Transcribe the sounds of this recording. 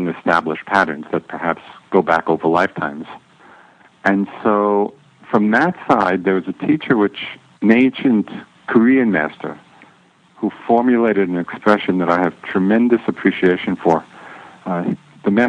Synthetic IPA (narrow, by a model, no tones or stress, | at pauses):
ŋɨstæbləʃpʰæɾə̃˞nzðɨt̚pʰə˞hæpsɡ̥oʊbækoʊvə˞laɪftʰãɪ̃mz̥ | ɨ̃nsoʊ | fɹʌ̃mðɨtsaɪd̪̚ðə˞wʌzɨtʰit͡ʃə˞wɪt͡ʃ | nẽɪ̃nʃɨ̃nt | kʰə˞iɨ̃nmæ̰stə̰˞ | hufɔɹmjɨleɪɾɨɾ̃n̩ɨkspɹɛʃɨ̃nðɨɾaɪɨv̥tʰɹ̥ɨmɛ̃ndɨsɨpʰɹ̥iʃieɪʃɨ̃nfə˞ | ðɨmæ